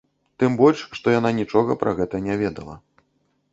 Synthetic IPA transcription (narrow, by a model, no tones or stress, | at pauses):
t̪ɨmbɔlʲʂʂt̪ɔjan̪anʲit͡ʂɔɣɐpɾʔaɣɛt̪ɐnʲavʲɛd̪ɐlˠɐ̰